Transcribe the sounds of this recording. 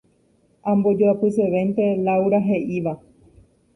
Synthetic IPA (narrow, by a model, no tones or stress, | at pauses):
ãmbo̞d͡ʒoapɨseʋent̪e̞lawɾaɦe̞ʔiʋa